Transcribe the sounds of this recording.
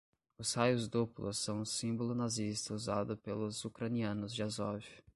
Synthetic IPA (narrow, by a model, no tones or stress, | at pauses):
ʊshajʊzd̪oplʊ̰sːɐ̃w̃ũsĩbolʊnazist̪ɐuzad̪ʊpelʊzukɾɐniɐ̃nʊzd͡ʒɪazɔvʊ